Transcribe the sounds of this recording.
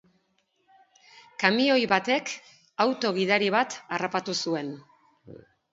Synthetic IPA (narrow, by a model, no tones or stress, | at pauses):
kamio̞jβat̪e̞k | awt̪o̞ɣ̞ið̞aɾiβ̞at̪arapat̪usue̞n